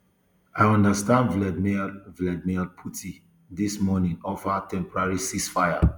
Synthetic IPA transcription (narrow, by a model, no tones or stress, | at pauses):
ajɔ̃ndəstãndvlɛdmivlɛdmilpʰutʰi | dismɔnĩŋɔfatʰɛ̃mpɔɹaɹisisfaɪja